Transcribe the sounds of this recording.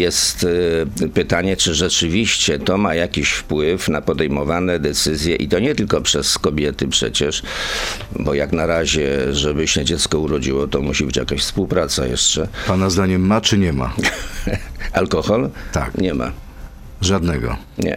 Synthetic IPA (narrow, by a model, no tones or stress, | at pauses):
jɛst̪pɘt̪aɲɛt͡ʂɘʐɛt͡ʂɘvʲiɕt͡ɕɛt̪ɔmajakʲiɕfpwɘfnapɔd̪ɛjmɔvanɛd̪ɛt̪sɘzʲjɛʔit̪ɔɲɛt̪ɘlkɔpʂɛskɔbʲjɛt̪ɘpʂɛ̰t͡ɕɛʂ | bɔjaknaɾaʑɛʐɛbɘɕɛd͡ʑɛt̪skɔuɾɔd͡ʑiwɔt̪ɔmuɕibɘt͡ɕja̰kaɕfspuwpɾat̪sa̰jɛ̰ʂt͡ʂɛpanazd̪aɲɛmːat͡ʂɘɲɛma̰ | alkɔxɔlt̪a̰kɲɛma̰ | ʐad̪nɛɡɔ̰ | ɲɛ̰